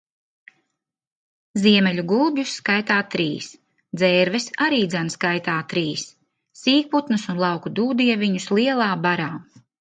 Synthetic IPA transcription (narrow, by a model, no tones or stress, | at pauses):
ziɛmɛʎʲuɡulˠbjusːkajt̪aːt̪ɾiːs | d̪zɛːɾvɛsaɾiːd̪zanskajt̪aːt̪ɾiːsː | iːk̚put̪nɨsunlˠɑwkud̪uːd̪ijviɲuslˠiɛlˠaːbaɾaː